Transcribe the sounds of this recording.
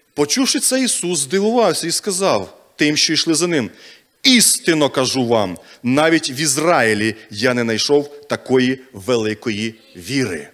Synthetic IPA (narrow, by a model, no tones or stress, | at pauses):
pɔt͡ʃuwʃɪt̪sɛjisuszd̪ɪlˠʊʋɑwsʲɐiskɐzɑw | t̪ɪmʃt͡ʃɔiʃlˠɪzɐnɪm | ist̪ɪnɔkɐʒuʋɑmnɑʋʲitʲʋʲizrɑɪlʲijanɛnɐjʃɔwt̪ɐkɔjiʋelˠɪkɔji | ʋʲiɾɪ̰